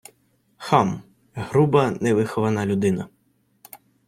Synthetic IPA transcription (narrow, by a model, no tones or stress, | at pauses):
xɑm | ɦɾubɐnɛʋɪxɔʋɐnɑlʲud̪ɪnɐ